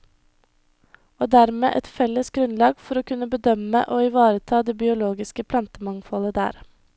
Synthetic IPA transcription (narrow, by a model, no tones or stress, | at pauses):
oːd̪æɾmḛːʔɛt̪fɛlːəsɡɾʉnlɑːɡfɔɾoːkʉnəbəd̪œmə̰ʔoːɪʋɑːɾət̪ʰɑːd̪eːbɪʊloːɡɪskəpʰlɑnt̪əmɑŋfɔləd̪æ̰ːɾ